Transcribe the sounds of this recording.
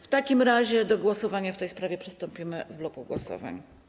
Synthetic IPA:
ft̪akʲimɾaʑɛd̪ɔɡwɔsɔvaɲaft̪ɛjspɾavʲjɛpʂɘst̪ɔmpʲimɘvblɔkuɡwɔsɔ̰va̰ɲ

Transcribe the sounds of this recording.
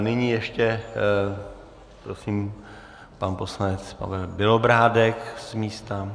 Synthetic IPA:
nɪɲiːjɛʃcɛ | pɾosiːm | panpo̞slanɛt͡spa̰vɛlbɪlobɾaːdɛksmiːst̪a

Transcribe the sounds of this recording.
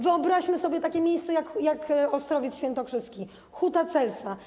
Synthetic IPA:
vɘɔbɾaɕmɘsɔbʲjɛt̪akʲɛmʲjejst̪sɛjakjakɔst̪ɾɔvʲjɛt̪sɕfʲɛnt̪ɔkʂɘst̪kʲi | xut̪at̪sɛlt̪sa

